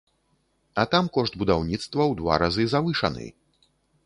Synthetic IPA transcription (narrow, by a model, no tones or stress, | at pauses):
ɐt̪amkɔʂt̪̚bud̪awnʲit̪st̪vɐwd̪va̰ɾazɨzavɨʂɐnɨ̰j